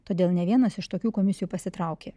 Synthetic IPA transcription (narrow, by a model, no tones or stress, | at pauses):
t̪oːd̪ʲeːlˠnʲɛʋʲiɛnɐsɪʃt̪oːkʲuːkoːmʲɪsɪjuːpɐsʲɪt̪ɾɑˑʊkʲeː